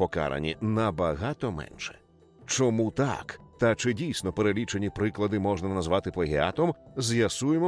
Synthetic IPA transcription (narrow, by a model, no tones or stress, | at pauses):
pɔka̰ɾɐ̰nʲḭnɐbɐɦat̪ɔmɛ̰nʃɛ̥̰ | t͡ʃɔmut̪a̰kt̪ɐt͡ʃɪdʲijsʲnɔpeɾelʲit͡ʃenʲipɾɪklˠɐd̪ɪmɔʒnɐnɐzʋɑt̪ɪplˠɐɦʲia̰t̪ɔmzʲjɐsujemɔ